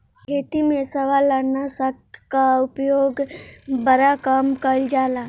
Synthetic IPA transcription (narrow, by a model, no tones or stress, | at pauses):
kʰeːt̪imẽsəʋalːəɽnasəkkaʊpjoːɡbəɾakamkəld͡ʒaːla